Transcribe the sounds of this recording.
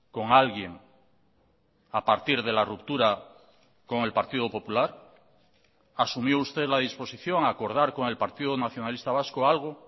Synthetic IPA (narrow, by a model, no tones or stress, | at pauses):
ko̞ŋalɣjeŋ | apaɾt̪iɾðe̞larupt̪uɾa | ko̞ŋe̞lpaɾt̪iðopo̞pulaɾ | asumjoust̪e̞ðlaðispo̞siθjo̞ŋako̞ɾð̞aɾko̞ŋe̞lpaɾt̪iðonaθjo̞nalist̪aβ̞askoalɣ̞o